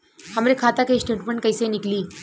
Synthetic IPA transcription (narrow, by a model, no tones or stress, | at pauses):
hamɾekʰat̪akaisʈeʈməɳʈ̚kəjsenikliː